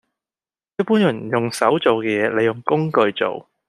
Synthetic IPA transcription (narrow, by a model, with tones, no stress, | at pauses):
jɐ˥t̚pːuː˥njɐ˨˩njʊ˨ŋsɐ˨˥wt͡so˨wkɛː˧jɛː˨˧le˨˧jʊ˨˩ŋkʊ˥ŋkɵ˧ɥt͡so̰˨w